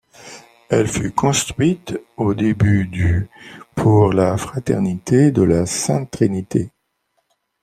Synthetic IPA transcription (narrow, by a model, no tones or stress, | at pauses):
ɛlfykɔ̃st̪χɥit̪od̪ebyd̪ypʰuʁlafχat̪ɛ̰ʁnit̪ʰed̪əlasɛ̰̃t̪χinit̪ʰe